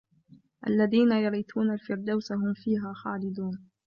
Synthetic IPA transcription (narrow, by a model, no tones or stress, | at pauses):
ʔa̰lːaðiːnajɑɾiːt̪ʰuːnalfɪɾd̪awsaɦʊmfiːɦaːxaːlɪd̪uːn